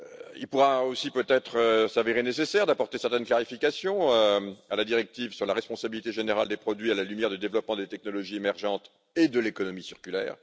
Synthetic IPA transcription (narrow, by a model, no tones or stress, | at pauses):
ḭlpuʁaosipøt̪ɛt̪χəsaveʁenesesɛʁd̪apɔʁt̪esɛʁt̪ɛnklaʁifikasjɔ̃øalad̪iʁɛk̚t̪ivsyʁlaʁɛspɔ̃sabilit̪eʒeneʁald̪epχɔd̪ɥialalymjɛʁd̪əd̪evlɔpmɑ̃d̪et̪ɛk̚nɔlɔʒiemɛʁʒɑ̃t̪ | ed̪əlekɔnɔmisiʁkʲylɛ̰ːʁ